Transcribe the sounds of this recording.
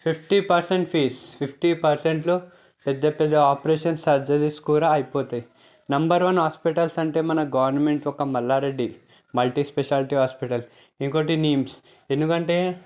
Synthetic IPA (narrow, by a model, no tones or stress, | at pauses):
pʰipʰʈipɐɾseɳʈpʰiːspʰipʰʈipɐɾseɳʈlo | pɛd̪ːɐpɛd̪ːɐaːpɾeːʃɐnsɐɾd͡ʒɐdiskuːɾaɐjipoːt̪aːji | nɐmbɐɾʋɐnɦaːspiʈɐlsɐɳʈe̞ːmɐnɐɡɐʋɐɾnɐmeɳʈɔkɐmɐlːaːɾeɖːi | mɐlʈiːspeʃaːlʈiɦaːspiʈɐl | eŋkoːʈiniːms | end̪ukɐɳʈeː